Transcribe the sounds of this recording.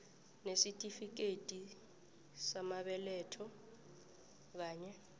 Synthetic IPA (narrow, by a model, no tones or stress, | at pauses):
nesitʼifik̬etʼi | samaɓɛlɛːtʰɔ | k̬aːɲɛ